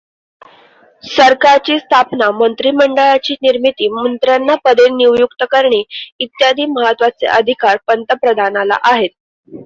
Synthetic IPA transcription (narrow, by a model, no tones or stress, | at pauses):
səɾkaɾt͡ɕiːst̪ʰapnamənt̪ɾiːməɳɖəɭat͡ɕiːniɾmit̪iːmənt̪ɾjanːapəd̪ʱenːiwjukt̪əkəɾɳeit̪jad̪ʱiːməɦət̪ʋat͡sḛʔəd̪ʱikaɾpənt̪əpɾəd̪ʱanala̰ʔaɦet̪̚